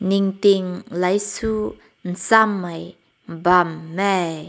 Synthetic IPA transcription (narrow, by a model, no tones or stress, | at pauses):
nɪŋt̪ɪŋlɐjsuː | n̩samːɐj | bɐmːɛj